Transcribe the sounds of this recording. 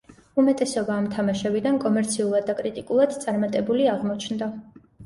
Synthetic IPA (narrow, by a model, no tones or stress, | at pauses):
umɛt̪ʼɛsɔbaːmt̪ʰamaʃɛbid̪ankʼɔmɛɾt̪sʰiulˠad̪̚ːakʼɾit̪ʼikʼulˠad̪̥t̪sʼaɾmat̪ʼɛbuliaʁmɔt͡ʃʰnd̪a